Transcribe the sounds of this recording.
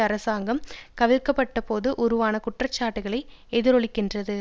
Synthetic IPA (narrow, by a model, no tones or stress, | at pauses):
ɐɾɐsaːŋɡɐmkɐʋɪɻkːɐpːɐʈːɐpoːðɯʔɔɾɯʋaːnɐkʊʈrɐt͡ʃːaːʈːɯɣɐɭɐɪɛðɪɾɔɭɪkːɪndrɐðɯ